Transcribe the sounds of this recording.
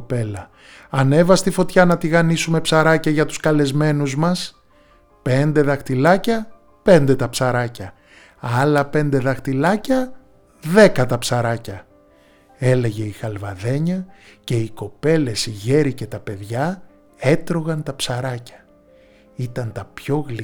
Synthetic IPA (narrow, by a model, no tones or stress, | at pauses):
pe̞lɐ | ɐne̞vɐst̪ifo̞t̪çɐnɐt̪iɣɐnisume̞psɐɾɐcɐʝɐt̪u̥skɐle̞zme̞nuzmɐs | pe̞nd̪e̞ðɐxt̪ilɐcɐ | pe̞nd̪e̞t̪ɐpsɐɾɐcɐ | ɐlɐpe̞nd̪e̞ðɐxt̪ilɐcɐ | ðe̞kɐt̪ɐpsɐɾɐcɐ | e̞le̞ʝe̞ixɐlvɐðe̞ɲɐce̞iko̞pe̞le̞siʝe̞ɾice̞t̪ɐpe̞ðʝɐ | e̞t̪ɾo̞ɣɐnt̪ɐpsɐɾɐcɐ̥ | it̪ɐnt̪ɐpço̞ɣli